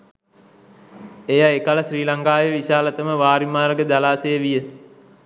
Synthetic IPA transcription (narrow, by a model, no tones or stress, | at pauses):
ejaekaləsriːlaŋkaːjəʋisaːlət̪əməʋaːɾimaːrɡəd̪alaːsejəʋijə